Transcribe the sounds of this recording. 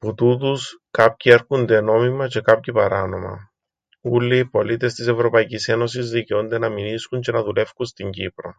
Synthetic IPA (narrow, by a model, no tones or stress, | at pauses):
put̪ut̪uskɐpcie̞ɾkund̪e̞no̞mimɐce̞kɐpcipɐɾɐno̞mɐ̰ | ulːiipo̞lit̪e̞st̪ise̞vɾo̞pɐicise̞no̞sizðiceond̪e̞nɐminiskuɲce̞nɐðule̞fkunst̪iɲɟipɾo̞̰